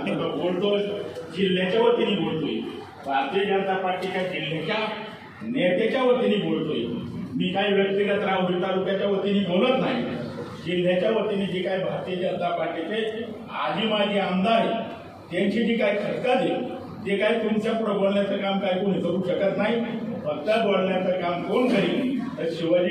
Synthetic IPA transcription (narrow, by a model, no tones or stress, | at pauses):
t̪əɡ̪əbolt̪ojd͡ʑil̤ːjat͡ɕjaʋəɾt̪iniːbolt̪oḭ | bʱaɾt̪ijəd͡ʑənt̪apaɾʈikaid͡ʑil̤ːjat͡ɕja | nɛt̪jet͡ɕjaʋəɾt̪aniːbolt̪oḭmiːkaiːʋjək̚t̪iɾət̪ɾãɾit̪aɾupjat͡ɕjaʋəɾt̪iniːbolət̪naɦid͡ʑilːjat͡ɕjaʋəɾt̪inid͡ʑekaibʱaɾt̪ijəd͡ʑənt̪ʰapaɾʈit͡se | a̰d͡ʑiːmaɡʱiamd̪aɦe | t̪jaɲt͡ɕid͡ʑiːkaikʰət̪k̪ad̪i | t̪ekaɦit̪umt͡ɕjapɾɽəbəɽɳjat͡səkamkajkuɳ̤ikəɾuːɕəkət̪naɦifəɡt̪abəɽɳjat͡səkamkonkəɾiːt̪əɾɕiʋad̪i